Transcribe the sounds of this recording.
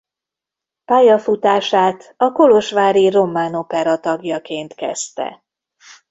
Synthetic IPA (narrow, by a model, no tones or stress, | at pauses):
paːjɒfut̪aːʃaːt̪ɒko̞lo̞ʃʋaːɾiro̞mːaːno̞pɛɾɒt̪ɒɡjɒkeːnt̪kɛ̰st̪ɛ̰